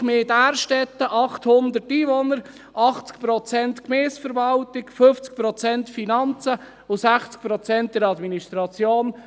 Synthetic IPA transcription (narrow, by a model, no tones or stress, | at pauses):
meːdæːrʃtɛt̪ːəʔɑχthʊnd̪ətiːvonəɾ | ʔɑχt͡sk̚pɾɔt͡sɛntkmeːsfəɾvɑltɪkføft͡sk̚pɾɔt͡sɛnt̪finɑnt͡sə | ʊsæχt͡sk̚pɾɔt͡sɛnt̚d̥ɛɾɑd̪minist̪ɾɑt͡sjoːn